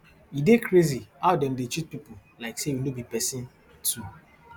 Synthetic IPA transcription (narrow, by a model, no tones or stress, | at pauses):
idekɾeziaʊdɛ̃ndet͡ʃit̚pipʊlaɪksewinobipɛsĩn | tʰu